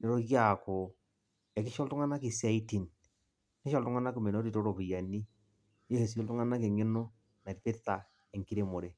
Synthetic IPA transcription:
ne˨ɾo˦ɣja˨ko˨ | ɛ˨kɪ˦ʃɔ˦ltʊ˦ŋa˦na˦kɪ˨sa˦i˦ti˨n | nɪ˦ʃɔ˦ltʊ˦ŋa˦na˦kɪ˨me˨no˦ti˨to˦ɾo˨pɪ˨ja˨ni˦ | je˦he˨si˦o˦ltʊ˦ŋa˦na˦kɪ˨ŋɪ˦nɔ˦ | na˨ɾpɪ˦ta˨ | ɛ˨ŋki˦ɾe˨mo˨ɾe˦

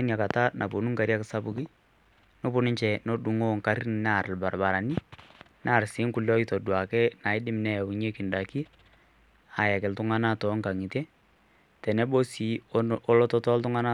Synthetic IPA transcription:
nja˨ka˨ta˦nʔa˨po˨nu˦ŋka˨ɾja˦kɪ˨sa˦bʊ˨ki˦ | no˦pʊ˦nɪ˦ɲt͡ʃɛ˨no˦ɗu˨ŋo˦ŋka˨ɾin˨na˨ɾlba˨rba˨ɾa˨ni˦ | na˦˨ɾsɪ˨˦ŋkʊ˨lɔ˦i˦tɔ˨dwa˨kɛ˦na˨ɪ˦dɪ˦m˨nɛ˦˨u˨ɲe˦kɪ˨nda˨ki˦ | a˨ja˨kɪ˨ltʊ˦ŋa˦na˦tɔ˨˦ŋka˨ŋi˨te˦ | tɛ˨nɛ˦bo˦si˨ɔ˦lɔ˦tɔ˦tɔ˦ltʊ˦ŋa˦na˦

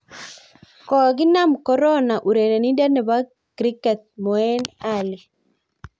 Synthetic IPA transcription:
kɔ˨ɡɪ˦na˦mkɔ˨ɾɔ˦na˨ʔu˨ɾe˨ɾe˨ni˦da˦nɛ˨ba˦ | kɾi˦kɛ˨t̪̚mɔ˨ɛ˦na˨li˨

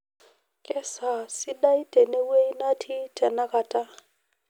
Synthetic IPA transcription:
kʼɛ˦sa˨si˦ɗa˦i˦tɛ˨nɛ˦we˦i˦na˦tʰi˦tʰʼɛ˨na˦ka˨tʼa˦

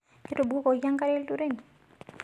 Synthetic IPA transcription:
ke˦to˨bu˦kɔ˨ja˦ŋka˦ɾɛ˦ltuɾe˦ni˨

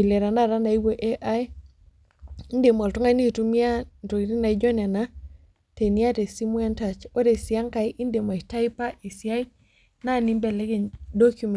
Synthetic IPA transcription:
i˨le˨ɾa˨na˦ɾa˦na˨i˦wo˦ʔe˦ʔa˦j | i˦nde˨mɔ˨lto˦ŋa˦ni˦˨tu˦mi˦a˦ndo˨i˨ti˦na˨i˦d͡ʒɔ˦nɛ˨na˦ | te˨ni˦a˦te˨si˦mwɛ˦nta˨t͡ʃo˦de˨sja˦ŋka˨jʔi˦nde˨ma˨i˨ta˦i˦pa˦ʔi˨sja˦i˦ | na˦ni˦mbɛ˨lɛ˦ɡe˨ɲdo˦kju˨m

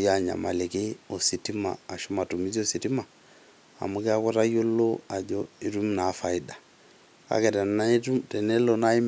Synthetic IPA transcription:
ja˦ɲa̰˨ma̰˨le˨ke˦o˨si˨ti˦ma̰ː˨ʃo˦ma˨tu˨mi˦zi˦o˦˨si˨ti˦ma˨ | a̰˨mu˦kɛ˦a˦ko˦ɾa˦jo˦loa˨d͡ʒɔi˦ɾu˦mna˨˦fa˨i˦da˨ | ka̰˦kɛ˨tɛ˨na˦ɾu˦tɛ˨nɛ˦lɔna˦i˦m

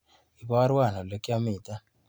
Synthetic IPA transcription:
i˨bɔ˦ɾwa˦˨nɔ˨lo˨kɪ˦a˦mɪ˨ta˦

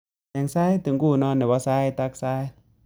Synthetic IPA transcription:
ɛ˧˩˨ŋsaː˦˨jt̪ɯ˨˦ŋkuː˧˩nɔː˧˨nːɛ˧˨˩bɔ˧˦saː˧˦˨jt̪a˦˧k̚saː˧˦j

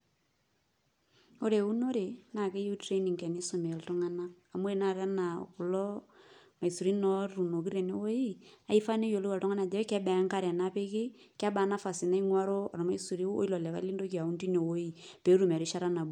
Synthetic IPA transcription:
o˦ɾe˨u˦no˦ɾe˨na˨ke˦ju˦tɾe˦ni˨ŋkɛ˨ni˦so˨me˨ltʊ˦ŋa˦naː˦˨mu˦e˨na˦˨ɾɛ˦na̰˨ku˨lɔ˦ma˨i˨su˨ɾi˦nɔ˦ɾu˨no˨ki˦ɾe˨ne˦wo˦ji˦a˨i˦fa˦ne˦jo˨lo˦a˨ltʊ˦ŋa˦na˨d͡ʒɛ˨wɛ˦kɛ˦bɛ˨˦ŋka˦ɾja˨na˦pe˦kɪ˦ | ka˦ba˨˦na˦fa˨sɪ˨na˦i˦ŋwa˦ɾo˦a̰˨ɾɔ˨ma˦i˦su˨ɾi˦o̰˦i˦lɔ˨lɛ˨ka̰˦li˦ndo˦ki˨a˨u˦nti˦ne˨wo˦i˦pe˨˦ɾu˨mɛ˨ɾi˦ʃa˦ɾa˦na˨bu˨

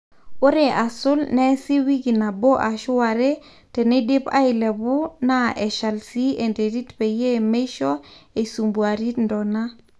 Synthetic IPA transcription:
o˦ɾe˨ʔa˨sʊ˦lnɛ˦si˦wi˦ɡi˨na˨bo˦ʔa˨ʃʊ˦wa˨ɾe˦ | tɛ˨ne˦dɪ˦pa̰˦ɪ˨lɛ˨bʊ˦na˦ʔɛ˨ʃa˨lsi˦e˨nde˨ɾi˦tpe˨je˦me˦ʃɔ˦e˨su˨mbu˨a˨ɾi˦tndɔ˨na˦

